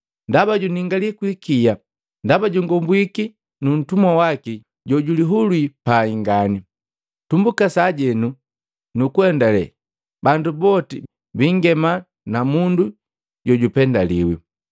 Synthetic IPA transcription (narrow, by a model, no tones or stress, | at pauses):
ndabaɟuniŋɡalikwikija | ndabaɟuŋɡɔmbwiki | nun̩tumwawaki | ɟɔɟuliɦulwipaiŋɡani | tumbukasaɟɛnu | nukuɛndalɛ̰ | bandubɔti | biŋɡɛma | namundu | ɟɔɟupɛndalḭwḭ